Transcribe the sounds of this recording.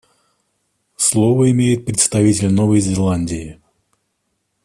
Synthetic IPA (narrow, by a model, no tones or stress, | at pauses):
slˠovəɪmʲejɪt̪̚pɾʲɪt̪st̪ɐvʲitʲɪlʲnovəjzʲɪlˠanʲdʲɪɪ